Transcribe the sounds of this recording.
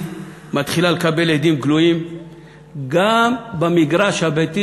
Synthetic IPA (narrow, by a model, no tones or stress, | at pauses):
mat̪χilalekabe̞led̪imɡluim | ɡambamiɡʁaʃhabet̪i